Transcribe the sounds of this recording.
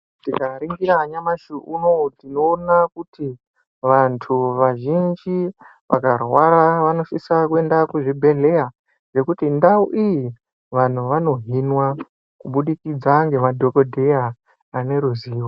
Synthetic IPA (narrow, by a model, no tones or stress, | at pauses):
tikaɾiŋɡiɾaɲamaʃiʔunotino̞ːnakutʰi | ʋantʰuʋaʒind͡ʒi | ʋʔa̰karwaɾaʋano̞ʃisakue̞ndakuʐibʱe̞ɮe̞a | ʐe̞kutindauʔiji | ʋan̤uʋano̞ɦinwa | kuɓuɗikid͡zaŋɡe̞madʱo̞ko̞dʱejaː | ne̞ɾuziːwo